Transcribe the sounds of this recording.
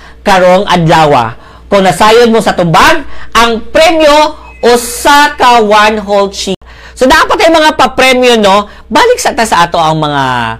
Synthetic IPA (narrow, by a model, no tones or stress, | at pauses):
kɐɾoŋʔɐ̰d̪laːwa̰ | kʊŋnɐsaːjod̪̚mosɐt̪ʊbaɡ̚ʔɐŋpɾɛmjo | ʔʊsakawanɦolt͡ʃi | sod̪apat̪hɐjmɐŋapɐpɾɛmjono̞ | baːlɪk̚sɐʔ̚t̪asɐʔaːt̪o̞ɐŋmɐŋa̰